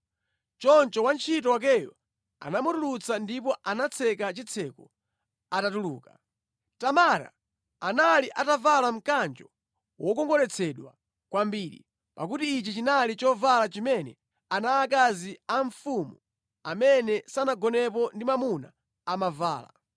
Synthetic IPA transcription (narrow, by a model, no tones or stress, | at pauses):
t͡ʃɔnt͡ʃɔwant͡ʃʰitɔwak̬ɛjɔ | a̰namutulut͡sʰandip̬ɔʔanat͡sʰɛkat͡ʃit͡sʰɛkɔ | atatuluːka | tamaɾa̰ː | naliʔatavalam̩kand͡ʒɔ | wʔɔkɔŋɡɔɾɛt͡sʰɛɗwa | kwambiːɾḭ | pa̰k̬utiːt͡ʃit͡ʃinalit͡ʃɔvalat͡ʃimɛnɛ | anaːk̬aziaɱfumu | amɛnɛsanaɡɔnɛpɔndimamuna̰ | amava̰ːla̰